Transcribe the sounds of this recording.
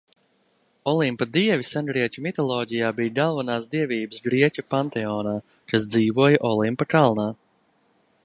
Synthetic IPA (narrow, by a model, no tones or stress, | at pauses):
ɔlˠimpad̪iɛvisanɡɾiɛcʲumit̪ɔlˠɔːɟijaːbiːjɡalˠvanaːsd̪iɛvʲiːbəsɡɾiɛcʲupant̪ɛɔːnaː | kasd̪ziːvuɔjaʔɔlˠimpakalˠnaː